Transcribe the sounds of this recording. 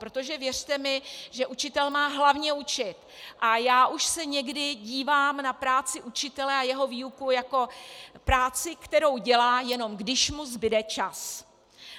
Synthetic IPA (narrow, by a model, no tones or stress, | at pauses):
pɾo̞t̪o̞ʒɛvjɛr̝̥t̪ɛmɪʒɛʔut͡ʃɪt̪ɛlmaːɦlavɲɛut͡ʃɪt̪ʔajaːʔuʃsɛɲɛɡdɪɟiːvaːmnapɾaːt͡sɪʔut͡ʃɪt̪ɛlɛajɛɦo̞viːukujako̞pɾaːt͡sɪkt̪ɛɾo̞wɟɛlaːjɛno̞mɡdɪʃmuzbɪdɛt͡ʃas